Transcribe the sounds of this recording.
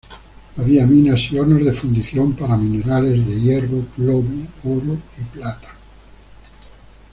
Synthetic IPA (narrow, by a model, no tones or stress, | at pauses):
aβiaminasionezðefund̪iθjompaɾamineɾalezðejeroploβuoɾoiplat̪ḁ